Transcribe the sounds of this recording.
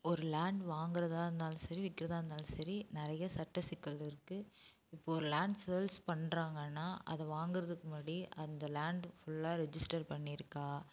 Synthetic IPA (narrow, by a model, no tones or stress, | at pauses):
ɔɾɯlaːɳɖʋaːŋɡɪɾɐðaːɾɯnd̪aːlsɐɾiʋɪkːɪɾɐðaːɾɯnd̪aːlsɐɾinɪɾɐjɐsɐʈːɐsɪkːɐlɪɾɯkːɯ | ɪpːoɔɾɯlaːɳɖselspɐɳːɾaːŋɡɐnːaːʔɐ̰ðɐ̃ʋaːŋɡɪɾɐðɯkːɯmɐɽiʔɐnd̪ɐlaːɳɖfʊɭlːaːɾɛd͡ʒɪsʈɐɾpɐɳːɪɪɾɯkːaː